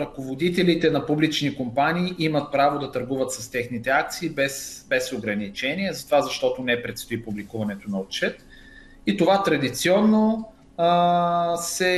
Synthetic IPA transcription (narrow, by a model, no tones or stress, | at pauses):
ɾɐkovod̪it̪ɛlit̪ɛnɐpublit͡ʃnikompaniːʔimət̪̚pɾavod̪ɐt̪ɐɾɡuvət̪sɐst̪ɛxnit̪ɛak̚t̪siːbɛsbɛsoɡɾɐnit͡ʃɛniɛzɐt̪ovazɐʃt̪ɔt̪onɛpɾɛt̪st̪oipublikuvɐnɛt̪onɐot̪̚t͡ʃɛt̪ | it̪ovat̪ɾɐd̪it̪siɔnːo | sɛ